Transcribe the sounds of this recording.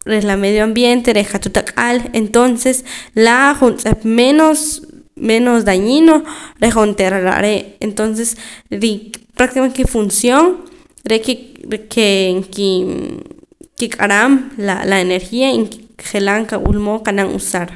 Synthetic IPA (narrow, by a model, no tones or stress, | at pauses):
ɾelameðjoambjent̪eɾekat̪ut̪akʼalent̪onseslaχunt͡sʼepmenosmenosd̪aɲinoɾeχont̪eɾaɾa̰ʔɾeʔent̪ons̬esɾipɾak̚t̪ikamenkifunsjoŋ | ɾekekeŋki | kikʼaɾamlalaeneɾxiaiŋkχelaŋkawṵlmokanaŋṵsaɾ